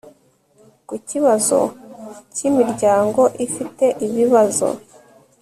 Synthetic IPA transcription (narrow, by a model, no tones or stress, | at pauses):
kuciβazo̞̰cimiɾɟaːŋɡo̞ʔifite̞ʔiβiβazo̞̰